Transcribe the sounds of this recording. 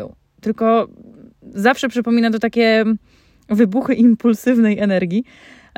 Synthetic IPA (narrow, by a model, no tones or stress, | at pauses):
ɔ̰w | t̪ɘlkɔ | zafʂɛpʂɘpɔmʲinat̪̬ɔt̪akʲɛ | vɘbuxɘʔimpulsɘvnɛjɛnɛɾɡʲi